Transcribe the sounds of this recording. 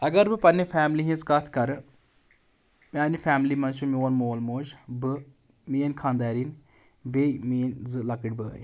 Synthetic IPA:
ɐɡɐɾbɨpɐnːefʰʲaːmliɦĩzkɐt̪ʰkɐɾɨ | mʲaːnifʰʲaːmlimɐnt͡ʃumionmoːlmoːd͡ʒbɨ | mijɐnkʰaːnd̪aːɾin | beːjminzɨlɐkɨʈʲbɨ̰j

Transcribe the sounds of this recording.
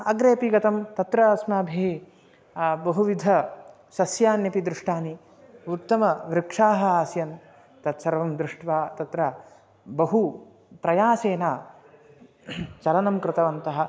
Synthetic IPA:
ɐɡɾeːpiɡɐt̪ɐmt̪ɐt̪ɾɐɐsmaːbʱi | bɐɦuʋid̪ʱɐ | sɐsjaːnjɐpid̪ɾɪʂʈaːni | ut̪ːɐmɐʋɾɪkʂaːɦɐ̆aːsjɐn | t̪ɐt̪sɐɾʋɐmd̪ɾɪʂʈʋaːt̪ɐt̪ɾɐ | bɐɦu | pɾɐjaːseːnaː | t͡ʃɐlɐnɐmkɾɪt̪ɐʋɐnt̪ɐɦɐ̆

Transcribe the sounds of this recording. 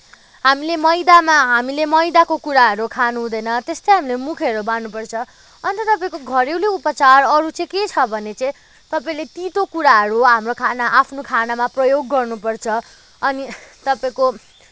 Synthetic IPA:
ɦamilemʌjd̪amaɦamilemʌjd̪akokuɾaɦʌɾukʰanuɦũd̪ʌjnʌt̪est̪ʌjɦamilemukʰeɾobanupʌrt͡sʰʌ | ʌnt̪ʌt̪ʌpaĩkoɡʱʌɾewleupʌt͡sarʌɾut͡sʌ̃ket͡sʰʌbʱʌnet͡sʌ̃ĩ | t̪ʌpaĩlet̪it̪okuɾaɦʌɾuɦamrokʰanaʔapʰnokʰanamaprʌjoɡːʌrnupʌrt͡sʰʌ | ʌnit̪ʌpaĩko

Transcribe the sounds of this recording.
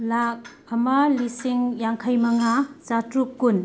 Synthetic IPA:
lak̚ | ɐmalisiŋjaŋkʰajmɐŋat͡ʃatɾukːun

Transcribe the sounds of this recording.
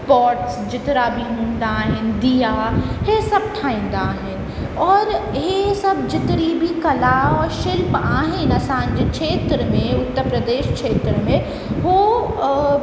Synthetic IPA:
pɔːʈsd͡ʑɪt̪ɪɾabʱiɦũːnd̪aːɦɪnɪ̆d̪ijahesɐb̚ʈʰaːĩːn̆d̪aːɦɪnɪ̆ | ɔːɾɦesɐbd͡ʑɪt̪ɪɾibʱikɐlaːɔʃɪlpaːɦɪnɐsãɲ̆d͡ʑekʃeːt̪ɾəmẽʊt̪ːəɾpɾəd̪eːʃkʃeːt̪ɾəmẽ | ɦo

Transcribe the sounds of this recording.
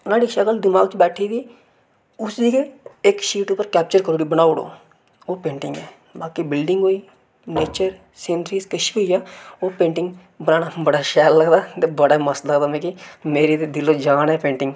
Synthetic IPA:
naːɽiːʃəkəld̪ɪmaːɡt͡ʃbɛːʈʰiːd̪iː | ʊsiːkeɪkʃiːʈʊpːəɾkɛːp̚t͡ʃəɾkəɾoːɽiːbəñaːoɽo̰ː | oːpẽːɳʈɪ̃ŋɡɛː | baːkibɪlɖɪŋɡoːiː | neːt͡ʃəɾ | sẽːnɾiːskəʃiːɦoːiːaːoːpẽːɳʈɪŋɡ | bənaːnaːbəɽaːʃɛːlːəɡd̪aːt̪eːbəɽaːməsləɡd̪aːmɛ̃ːkimeːɾiːt̪eːd̪ɪloːd͡ʒaːnɛːpẽːɳʈɪŋɡ

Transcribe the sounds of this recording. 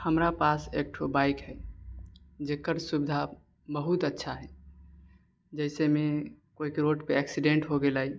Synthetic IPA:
həmɾapasḛk̚ʈʰobajkɦɛ | d͡ʒekəɾsubd̪ʱa | bəɦut̪ətːʃʰaɦɛ | d͡ʒəɪsemekoikeɾoʈpeɛksiɖẽɳʈɦoɡelaj

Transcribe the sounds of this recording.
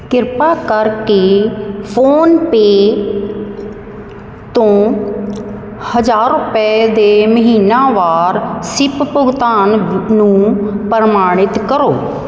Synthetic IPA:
kɪɾpakəɾkefʰoːnpe | t̪õː | həd͡ʒaːɾʊpɛd̪eːməɦiːnaʋaːɾsɪppʊɡt̪aːnnũpəɾmaːɽ̃ɪt̪kəɾoː

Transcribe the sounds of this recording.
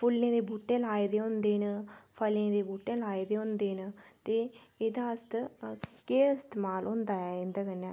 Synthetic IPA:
pʰʊlːẽːd̪eːbuːʈːẽːlaːeːd̪eːɦõnd̪eːnəpʰəlẽːd̪eːbuːʈːẽːlaːed̪eːɦõnd̪eːnət̪eːeːd̪aːɪst̪keːɪst̪eːmaːlɦʊ̃ːnd̪aːɛːɪ̃nd̪aːkənːãː

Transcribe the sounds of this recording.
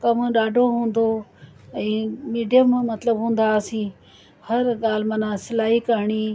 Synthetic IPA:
kɐmɗaːɖʱoɦũːn̆d̪oː | ɛ̃ːmiːɖijəmmɐt̪ləbɦũːn̆d̪aːsĩː | hɐɾɠaːl̤mɐnãsɪlaːikəɾɳ̃iː

